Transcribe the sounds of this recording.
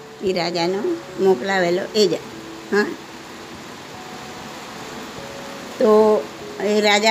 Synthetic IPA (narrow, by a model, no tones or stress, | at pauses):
kiɾad͡ʒano | moklaʋeloʔed͡ʒa̰ | ɦã | t̪o | eɾad͡ʒa